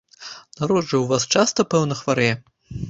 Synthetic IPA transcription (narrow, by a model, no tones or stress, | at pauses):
naɾɔd̪ʐɐwvast͡ʂast̪ɐpɛwnɐxvaɾɛjɛ